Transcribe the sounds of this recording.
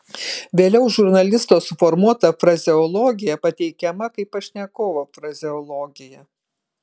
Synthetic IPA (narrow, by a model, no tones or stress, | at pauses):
ʋʲeːlʲɛʊʒʊɾnɐlʲɪst̪oːsʊfɔɾmuɔt̪ɐfɾɐzʲɪɔlˠɔːɡʲɪjɛpɐt̪ʲɛɪkʲɛmɐkɐɪpɐʃʲnʲɛkoːʋoːfɾɐzʲɪɔlˠɔːɡʲɪjɛ